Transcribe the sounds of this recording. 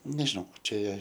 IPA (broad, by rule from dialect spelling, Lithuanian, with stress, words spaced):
nʲɛʒʲɪˈnɐʊ ˈt͡ʃʲɛ